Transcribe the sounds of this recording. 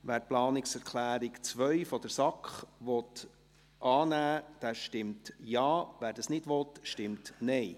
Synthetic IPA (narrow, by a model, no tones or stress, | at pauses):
ʋæːɾplɑːnɪksɛɾkʰlæːɾikt͡sʋœʏfɔd̥əɾsɑkχʋɔt̪ | ʔɑːnæːd̥æːʃtɪmtjɑːʋæːɾd̥ɑsnɪdʋɔtʃtɪmtnɛɪ